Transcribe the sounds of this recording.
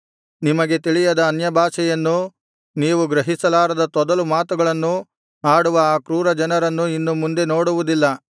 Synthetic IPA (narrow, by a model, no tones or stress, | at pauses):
nimɐɡe̞t̪iɭijɐd̪ɐːnjɐbʱaːʃɛjɐnːu | niːʋuɡɾɐɦisɐlaːɾɐd̪ɐt̪ɔd̪ɐlumaːt̪uɡɐɭɐnːu | aːɽuʋɐaːkɾuːɾɐd͡ʒɐnɐɾɐnːuinːumund̪e̞no̞ːɽuʋud̪ilːɐ